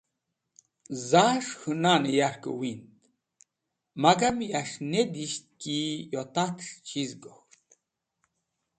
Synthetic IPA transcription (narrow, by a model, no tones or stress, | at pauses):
zaʂhɨnanejaɾkə̰wint̪ | maɡamiaʂned̪iʃt̪̚kijot̪at̪ʂt͡ɕʰizɡoxt̪̚